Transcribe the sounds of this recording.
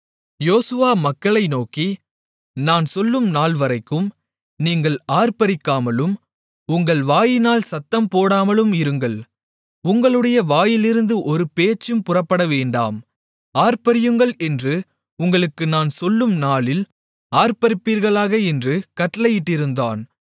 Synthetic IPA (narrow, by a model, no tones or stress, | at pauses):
joːsɯʋaːmɐkːɐɭɐɪnoːki | naːnsɔlːɯmnaːɭʋɐɾɐɪkːɯm | niːŋɡɐɭaːɾpɐɾɪkːaːmɐlɯm | ʊŋɡɐɭʋaːjɪnaːlsɐt̪ːɐmpoːɽaːmɐlɯmɪɾɯŋɡɐɭ | ʊŋɡɐɭɯɽɐjɐʋaːjɪlɪɾɯnd̪ɯʔɔɾɯpeːt͡ʃːɯmpʊrɐpːɐɽɐʋeːɳɖa̰ːm | aːɾpɐɾɪjɯŋɡɐɭɛndrɯ | ʊŋɡɐɭɯkːɯnaːnsɔlːɯmnaːlɪl | aːɾpɐɾɪpːiːɾɣɐɭaːɣɐɛndrɯkɐʈːɐlɐjɪʈːɪɾɯnd̪a̰ːn